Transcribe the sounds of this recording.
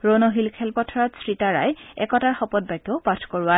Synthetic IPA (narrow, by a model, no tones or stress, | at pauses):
ɹonɔɦilkʰɛlpɔtʰɔɹɔtsɹitaɹa̰jɛ̰kɔtaɹxɔpɔt̚bajɡjɔpatʰkoɹʊwa